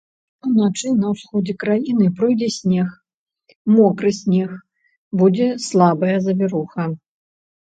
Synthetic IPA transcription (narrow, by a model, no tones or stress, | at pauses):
t̪ɐwnat͡ʂɨnɐwsxɔd͡zʲɛkɾajinɨpɾɔjd͡zʲɛsʲnʲɛx | mɔkɾɨsʲnʲɛx | bud͡zʲɛslˠabɐjɐzɐvʲɛɾuxɐ